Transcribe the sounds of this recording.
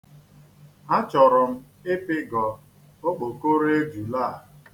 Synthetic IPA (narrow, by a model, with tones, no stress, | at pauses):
ɦa˦t͡ʃɔ˨ɾʊ˨m̩˦ | ɪ˦pɪ˦ɡɔ˨ | o˦k͡po˨ko˦ɾe˦d͡ʒu˨la˦˨